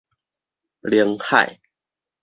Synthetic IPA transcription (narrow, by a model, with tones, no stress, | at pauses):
ljə˨˧˦ŋha̰˨˩ɪ